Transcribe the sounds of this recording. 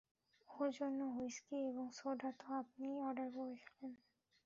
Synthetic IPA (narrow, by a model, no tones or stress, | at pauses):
oɾd͡ʑonːoɦojskieboŋsoɖat̪oapniɔɖaɾboeʃʰe̥len